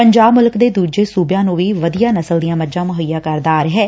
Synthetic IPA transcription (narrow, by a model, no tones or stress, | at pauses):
pəɲd͡ʒaːbmʊlkd̪eːd̪uːd͡ʒeːsuːbjãːnũːʋiːʋəd̪ijaːnəsəld̪ijãːməd͡ʒãːmʊɦəijːaːkəɾd̪aːɾɦɛː